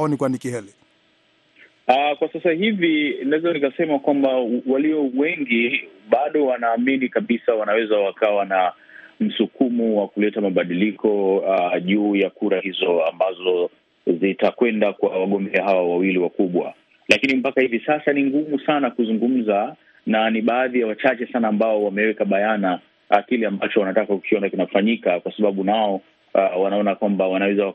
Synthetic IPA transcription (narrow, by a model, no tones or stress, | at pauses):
ɔnikwanikiɦɛli | akwasasahivinaɛzanikasɛmakwambawaliɔwɛŋɡiɓaɗɔwanaːminikaɓisawanawɛzawakawana | m̩sukumuwakulɛtamaɓaɗilikʰɔaʄuːjakuɾahizɔambazɔ | zitakwɛndakwawaɠɔmbɛaɦawawawiliwakuɓwa̰ | lakinimpakahivisasaniŋɡumusanakuzuŋɡum̩za | naniɓaːðijawat͡ʃat͡ʃɛsanaːmbaɔwamɛwɛkaɓajana | kilɛambat͡ʃɔwanatakakukʰiɔnakinafaɲikakwasaɓaɓunaɔ | wanaɔnakwambawanawɛzawa